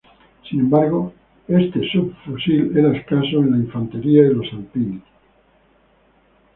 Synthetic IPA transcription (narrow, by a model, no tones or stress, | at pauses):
sinembaɾɣo | est̪esubfusileɾaeskasoenlaiɱfant̪eɾiaðelosalpines